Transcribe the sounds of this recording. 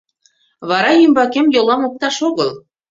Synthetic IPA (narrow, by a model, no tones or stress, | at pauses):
βɑɾɑjymbɑkemjolˠɑmok̚t̪ɑʃoɣɤlˠ